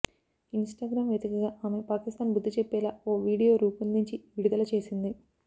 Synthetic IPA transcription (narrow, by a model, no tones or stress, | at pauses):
insʈaːɡɾaːmʋjeːd̪ikɐɡaːʔaːme̞paːkist̪aːnbud̪ːit͡ʃepːɛːlaːo̞ːʋiːɽijo̞ːɾuːpulnuɲt͡ʃiʋiɽud̪ɐlɐt͡ʃe̞ːsind̪i